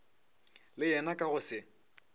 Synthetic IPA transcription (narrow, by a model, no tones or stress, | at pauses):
lɪjɛnakʼaɣʊsɪ